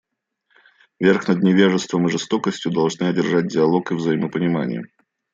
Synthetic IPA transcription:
vʲerxnəd̪̚nʲɪvʲeʐɨst̪vəmɨʐɨst̪o̞kəsʲtʲjʊd̪ɐlˠʐnɨɐdʲɪrʐat̚ʲdʲɪɐlˠo̞kɨvzɐiməpənʲɪma̰nʲɪ̰jə̰

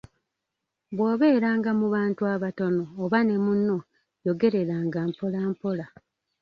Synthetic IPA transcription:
bwoːβe̞ːɾaːŋɡamuβaːntuaβato̞no̞ːβane̞munːo̞ | jo̞ɡe̞ɾe̞ɾaːŋɡaːmpolaːmpo̞la

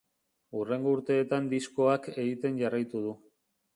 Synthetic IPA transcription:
ure̞ŋɡo̞uɾt̪e̞ːt̪and̪isko̞ake̞ɣit̪e̞nʝarajt̪uð̞u

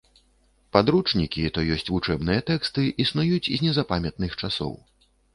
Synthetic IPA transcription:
pad̪ɾut͡ʂnʲikʲit̪ɔjɔsʲt͡sʲvut͡ʂɛbnɨjɐt̪ɛkst̪ɨʔisnujut͡sʲizʲnʲɛzapamʲɛt̪nɨxt͡ʂasɔ̰w

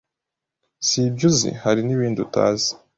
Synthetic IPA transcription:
sibɟuzḭhaɾiniβiːnduta̰ːzi̥

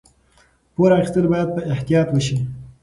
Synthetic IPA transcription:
poɾɑxist̪əlbɑjad̪̚pəɪht̪ijɑt̪wəʃi

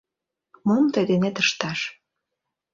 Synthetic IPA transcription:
momt̪ed̪enet̪əʃt̪ɑʃ

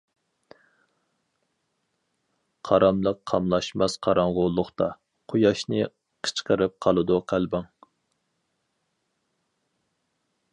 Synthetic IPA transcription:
qʰɑɾɑmlˠəqʰːɑmlˠɑʃmɑsqʰɑɾɑɴʁolˠːʊχt̪ɑ | qʰojɑʃnɨ | qʰə̥t͡ʃqəɾɨp̚qʰɑlˠɨd̪uqʰælbɑŋ

